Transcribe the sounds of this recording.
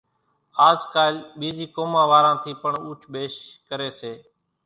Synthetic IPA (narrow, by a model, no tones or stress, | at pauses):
aːzkaːlɓiːziːkoːmãːʋaːɾãːt̪ʰiːpəɳuːt͡ʃʰɓeːʃkəɾeːseː